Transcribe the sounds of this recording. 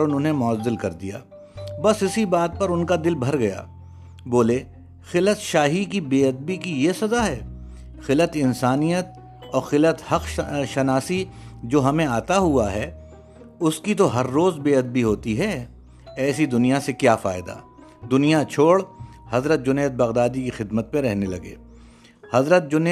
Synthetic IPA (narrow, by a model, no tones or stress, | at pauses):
ʊnʊ̃nɦẽmɔːəzːɪlkɐɾd̪ija̰ː | bɐsɪsibaːd̪̚pɐɾʊnkad̪ɪlbʱɐɾɡɐja̰ː | boːle | xɪlət̪ʃaːɦikibeːɐd̪̚bikijesɐzaɦɛː | xɪlət̪ɪnsaːnijət̪̚ | ɔːɾxɪlət̪hɐqʃɐnaːsid͡ʒoːɦɐmẽaːt̪aɦuaɦɛː | ʊskit̪oɦɐɾːoːzbeːɐd̪̚biɦoːt̪iɦɛː | ɛːsid̪ʊnijasekjaːfaːɪd̪a̰ː | d̪ʊnijat͡ʃʰoːɽhɐzɾət̪̚d͡ʒʊneːt̪̚bɐɣd̪aːd̪ikixɪd̪mət̪̚pẽɾɛɦnelɐɡḛː | hɐzɾət̪̚d͡ʒʊneː